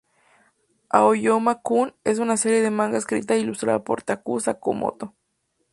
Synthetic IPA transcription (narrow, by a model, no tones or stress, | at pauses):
a̰ojomakunes̬unaseɾjeðemãŋɡaeskɾḭt̪ailust̪ɾa̰ðapo̰ɾt̪akusakomo̰t̪o